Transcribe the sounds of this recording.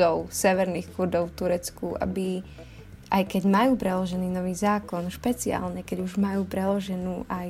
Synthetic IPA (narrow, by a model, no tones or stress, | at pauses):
ɔʊsɛʋɛɾnixkuɾd̪ɔʊft̪uɾɛt͡skuʔa̰bi | ʔajkɛɟmajuːpɾɛlɔʒɛniːnɔʋiːzaːkɔnʃpɛt͡sia̰ːlɲɛkɛɟuʒmajuːpɾɛlɔʒɛnuːʔaj